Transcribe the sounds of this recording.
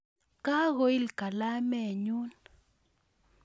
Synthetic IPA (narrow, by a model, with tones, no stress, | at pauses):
ka˦ɣo˨i˦lka˨la˦mɛ˦˨ɲu˦n